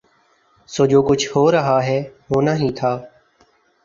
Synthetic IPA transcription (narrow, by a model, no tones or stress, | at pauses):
soːd͡ʒoːkʊt͡ʃʰhoːɾəɦaːɦɛːɦoːnaːɦĩːt̪ʰaː